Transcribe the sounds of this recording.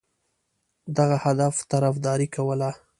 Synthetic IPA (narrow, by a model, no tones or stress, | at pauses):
d̪aɣahad̪aft̪aɾafd̪ɑɾikawəla